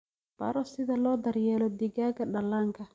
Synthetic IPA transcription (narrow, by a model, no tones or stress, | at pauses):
pa̰ɾɔsid̪alɔd̪aɾjɛlɔd̪iɡaɡaɗalaŋɡa